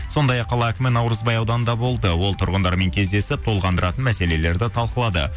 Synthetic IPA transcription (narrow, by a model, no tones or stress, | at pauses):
so̞nd̪ɑjɑqʰːɑlˠɑækʲɪmɪnɑwɾəzbɑjɑwd̪ɑnənd̪ɑbo̞lˠd̪əwo̞lˠt̪ʰʊɾʁənd̪ɑɾme̞ŋkʲʰe̞zd̪e̞sɪp̚t̪ʰo̞lˠʁɑnd̪əɾɑt̪ənmæse̞le̞le̞ɾd̪ɪt̪ʰɑlˠqəlˠɑd̪ə̰